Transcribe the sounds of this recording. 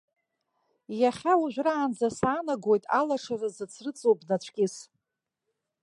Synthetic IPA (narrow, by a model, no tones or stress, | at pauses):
jaχʲauʒʷᶣraːnd͡zasaːnaɡojtʼalaʂarɨzɨt͡sʰrɨt͡sʼobnat͡ɕʷʰkʲʼɪs